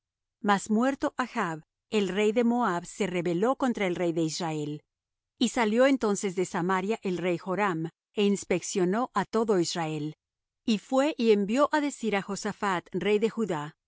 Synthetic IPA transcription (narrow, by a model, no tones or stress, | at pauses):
masmwe̞ɾt̪o̞ʔaxaβ | e̞lre̞jðe̞moaβse̞re̞βe̞lo̞ko̞nt̪ɾaelre̞jðe̞israe̞l | isaljo̞e̞nt̪o̞nse̞zðe̞samaɾjaʔelre̞jxo̞ɾam | e̞inspe̞ksjo̞no̞ʔat̪o̞ðo̞israe̞l | ifwe̞ʔie̞mbjo̞ʔaðe̞siɾaxo̞safat̪re̞jðe̞xuða